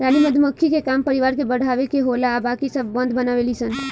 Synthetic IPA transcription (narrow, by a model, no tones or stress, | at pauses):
ɾaːniməd̪ʱməkʰːikekampəɾiʋaɾkebəɽ̤ʱaʋekeɦolaːbakisəbːə̃nd̪bənaʋelisən